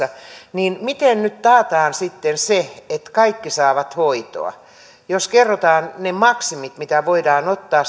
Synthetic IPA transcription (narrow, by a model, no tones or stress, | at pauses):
ɑniːnmit̪ennyt̪t̪ɑːt̪ɑːnsit̪ːenseet̪kɑikːisɑːʋɑt̪hoit̪o̰ɑ̰ | joskerːot̪ɑːnnemɑksimit̪mit̪æʋoidɑːnot̪ːɑː